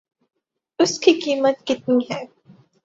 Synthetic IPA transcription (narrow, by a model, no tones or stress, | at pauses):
ʊskikiːmət̪kɪt̪̚niɦɛː